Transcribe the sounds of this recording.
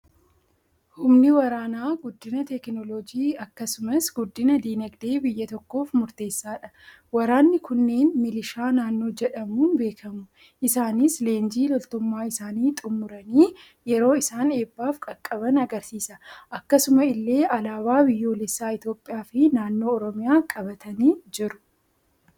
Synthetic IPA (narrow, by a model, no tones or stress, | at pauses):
hʊmnɪwɐɾaːnaːɡʊd̪ːɪnɐt̪ɛknɔlɔd͡ʒiːɐkːɐsʊmɐsɡʊd̪ːɪnɐd̪iːnɛɡd̪e̞ːbɪjːɐt̪ɔkːo̞ːfmʊɾt̪e̞ːsːaːᶑɐ̥ | wɐɾaːnːɪkʊnːeːnmɪlɪʃaːnaːnːo̞ːd͡ʒɛᶑɐmuːnbe̞ːkʰɐmʊ | ʔɪsaːnɪsle̞ːnd͡ʒiːlɔlt̪ʊmːaːɪsaːniːt̪ʼʊmːʊɾɐniː | jɛɾo̞ːɪsaːne̞ːbːaːfkʼɐkʼːɐbɐnɐɡɐɾsiːsɐʔɐkːɐsʊmɐɪlːe̞ːʔɐlaːbaːbɪjːo̞ːlɛsːaːɪt̪jo̞ːpʼːɪjaːfɪnaːnːo̞ːɔɾɔmɪjaːkʼɐbɐt̪ʰɐniːd͡ʒɪɾʊ̥